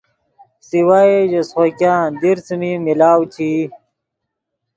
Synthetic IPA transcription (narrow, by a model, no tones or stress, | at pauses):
siwaeʑesχokãːd̪iɾt͡smimilaːwt͡ɕʰi